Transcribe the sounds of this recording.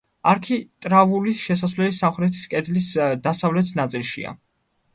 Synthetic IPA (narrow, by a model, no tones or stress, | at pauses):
aɾkʰit̪ʼɾavulisʃɛsasvlɛlisamχɾɛt̪ʰi̥skʼɛd̪lisd̪asavlɛt̪ʰnat̪sʼilˠʃḭa̰